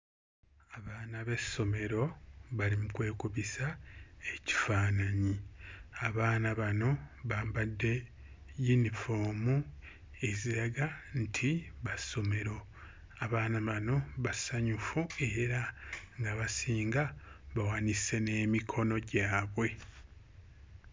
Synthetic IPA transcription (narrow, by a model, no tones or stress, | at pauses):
aβaːnaβe̞so̞me̞ɾo̞βalimukwe̞ːkuβisae̞ci̥faːnaɲiaβaːnaβano̞βaːmbadːe̞ | junifo̞ːmu | e̞ziɾaɡantʰiβaso̞me̞ɾo̞ | aβaːnaβano̞βasaɲufue̞ɾaŋɡaβasiːŋɡaβawanise̞ne̞ːmikʰo̞no̞ɟaːβwe̞